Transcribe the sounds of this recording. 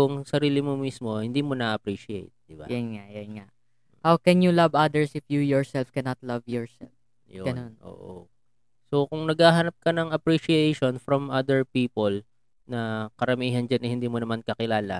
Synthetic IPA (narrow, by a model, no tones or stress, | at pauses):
ʊŋsɐɾiːlɪmomismo̞hɪnd̪iːmonɐʔɐpɾiʃɪḛjt̪̚d̪̥ɪba̰jɐnŋaʔjɐnŋaʔ | hawkɛnjulɐvɐd̪ɛɹsɪfjujɔɹsɛlfkɛnɐt̪lɐvjɔɹsɛ̰lf | joɡɐnonʔo̰ːʔo̰ | so̞kʊŋnɐɡaːɦɐnɐp̚kɐnɐŋɐpɾiʃiejʃonfɾɐmʔad̪ɛɹpiːpol | nɐkɐɾɐmiːɦɐnd͡ʒanʔɪhɪnd̪iːmonɐmankɐkɪlaːlɐ̰